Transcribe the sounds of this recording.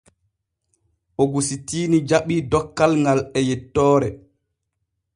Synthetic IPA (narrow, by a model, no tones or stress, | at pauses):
ʔoɡusitiːnid͡ʒaɓiːdɔkːalŋɡalɛjɛtːɔːɾɛ